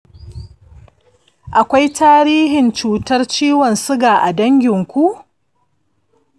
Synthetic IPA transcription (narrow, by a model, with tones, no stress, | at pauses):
ʔa˨kʷa˦jtaː˦ɾiː˦ɦɪ˨nt͡ʃuː˨tɐ˦rt͡ʃiː˦wɔ˨nsʊ˦ɡaː˨ʔa˨dɐ˦ŋɡʲɪ˨ŋkʷu˦ʔ